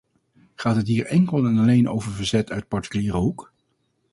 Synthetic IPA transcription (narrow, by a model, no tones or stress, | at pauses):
χaːtɦətɦiːɹʔɛŋkəlˠɛnɑlejnʔo̰wvəɹvəɹzɛtʰœɥt̚pɑɹti̥kyliːɾəɦuk